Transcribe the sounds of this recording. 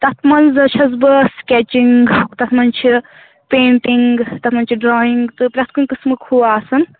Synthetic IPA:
t̪ɐt̪ʰmɐnzɨt͡ʃʰɐz̬bɨskʲet͡ʃiŋɡɡt̪ɐt̪ʰmɐnt͡ʃʰi | peːɳʈiŋɡt̪ɐt̪ʰmɐnt͡ʃʰiɖɾɔːiŋɡt̪ɨpɾʲɐt̪̚ʰkunkɨsmɨkʰhuːaːsɐn

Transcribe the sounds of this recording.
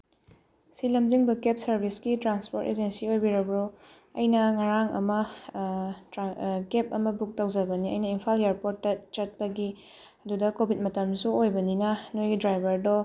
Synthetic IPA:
silɐmd͡ʒiŋbɐkep̚sɐɾbʱisɡitɾanspoɾted͡ʒensiojbiɾɐbɾu | ɐjnɐŋaɾaŋɐ̰mɐ | kep̚ɐmɐbuk̚tɐwd͡ʒɐbɐniɐ̰jnɐimpʰaljeɾpotːɐt͡ʃɐt̚pɐɡi | ɐdudɐkobʱit̚mɐtɐmsuojbɐninɐnojɡidɾajbʱɐɾdɔ

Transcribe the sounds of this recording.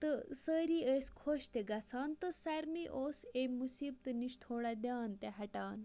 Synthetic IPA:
t̪əsəɾiːəskʰoɕt̪eɡɐt͡sʰant̪əsaɾmiʔosemusiːb̚t̪ɨniʃt̪ʰoːɽad̪ʲaːnt̪eɦɐʈaːn

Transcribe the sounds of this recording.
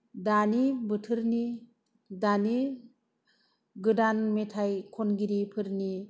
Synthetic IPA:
danibɯtʰɯɾni | dani | ɡɯdanmetʰajkʰonɡiɾipʰɯɾni

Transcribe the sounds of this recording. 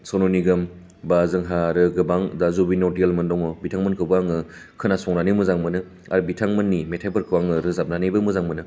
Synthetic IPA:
sɔnoniɡɐm | bazɯŋɦaɾɯɡɯbaŋdazubinɔɾdijalmɯndɔŋɔbitʰaŋmɯnkʰɯbaŋɯ | kʰɯnasɔŋnanimɯzaŋmɯnɯ | a̰ɾbitʰaŋmɯnːimetʰapʰɯɾkʰɯwaŋɯɾɯzap̚nanibɯmuzaŋmɯnɯ

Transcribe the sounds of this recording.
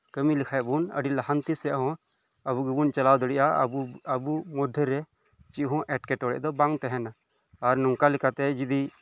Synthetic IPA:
kəmilikʰajɛʔbunə̰ɖilahant̪isɛja̰ʔɦɔ̃ | əbuɡɛbunt͡ʃalawd̪əɽiʔa̰əbumɔd̪ʱːɛɾɛ | t͡ʃiʔɦɔ̃ʔɛʈkɛʈɔɽɛ̰ʔd̪ɔbaŋt̪ɛɦɛnaː | ɾnɔŋkalɛkat̪ɛd͡ʒid̪i

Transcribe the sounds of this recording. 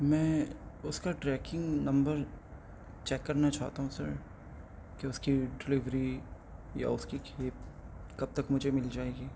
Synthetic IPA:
mɛ̃ːʊskaʈɾɛːkɪ̃ŋɡnɐ̃mbəɾ | t͡ʃɛːkːɐɾnat͡ʃa̰ːt̪aɦũsɐ̰ɾ | keʊskiɖɪlɪʋɾi | ja̰ʊskikʰeːp̚kɐb̚t̪ɐkmʊd͡ʒʱemɪld͡ʒaːeɡiː

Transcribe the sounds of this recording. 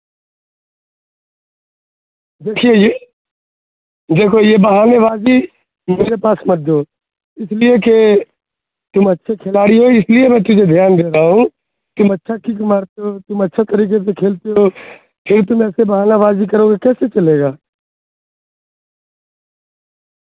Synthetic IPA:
d̪eːkʰieje | d̪eːkʰojebɐɦaːneβaːzi | meːɾepaːsmɐt̪̚d̪oː | ɪslieke | t̪ʊmɐtːʃʰekʰeːlaːɽiɦoɪsliemɛ̃ːt̪ʊd͡ʒʱed̪ʱjaːnd̪eːɾaaɦũ | t̪ʊmɐtːʃʰakikmaːɾt̪eɦoːt̪ʊmɐtːʃʰet̪ɐɾiːkesekʰeːlt̪eɦo | pʰɪɾt̪ʊmɛːsebɐɦaːnabaːzikɐɾoːɡekɛːset͡ʃɐleːɡaː

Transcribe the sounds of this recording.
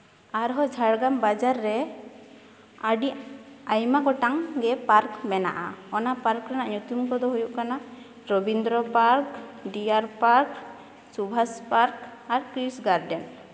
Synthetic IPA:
aɾɦɔd͡ʒʱaɽɡambad͡ʒaɾːɛ | aɖiajmaɡɔʈaŋɡɛpaɾkmɛna̰ʔa̰ɔnapaɾkɾanaʔɲut̪umkɔd̪ɔɦujuʔkana | ɾɔbind̪ɾɔpaɾkɖiaɾpaɾk | t͡ʃubʱaspaɾkaɾkɾisɡaɾɖɛn

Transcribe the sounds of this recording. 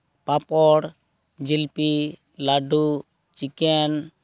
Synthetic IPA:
papɔɽ | d͡ʒilpi | laɖu | t͡ʃikɛn

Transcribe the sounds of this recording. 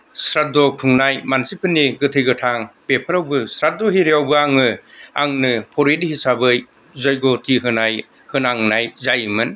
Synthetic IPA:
sɾat̚dɔpʰuŋnajmansipʰɯnːiɡɯtʰɯjɡɯtʰaŋpepʰɯɾawbɯsɾat̚dɔɦiɾeawbɯaŋɯa̰ŋnɯpʰɔɾedihisabɯj | zajɡɔtʰiɦɯnaj | hɯnaŋnajzajmɯn

